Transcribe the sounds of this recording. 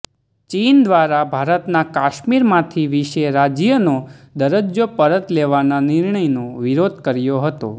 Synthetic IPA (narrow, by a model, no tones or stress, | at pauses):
t͡ʃind̪ʋaɾabʱaɾət̪nakaʃmiɾmãt̪ʰiʋiʃeɾad͡ʒjənod̪əɾəd͡ʒjopəɾət̪leʋananɪɾɳəjnoʋiɾod̪ʱkəɾjoɦət̪o̰